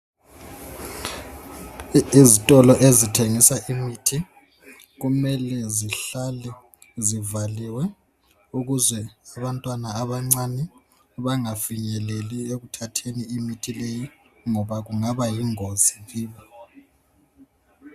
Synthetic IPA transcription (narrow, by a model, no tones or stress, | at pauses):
izitʼɔlɔʔezitʰeŋisaʔimitʰi | ɣumɛlɛziɬalɛ | zivaliwɛ | uɣuzwɛaβantʼwanaːβaŋ͡ǀanɛ | βaŋafiɲɛlelieɣutʰatʰeniːmitʰileji | ŋɔβaɣuŋaβajiŋoziɣiːβi